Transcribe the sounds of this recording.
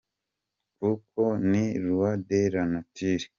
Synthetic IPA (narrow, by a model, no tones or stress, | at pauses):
kukʰoniɾuwadeɾanutiɾi̥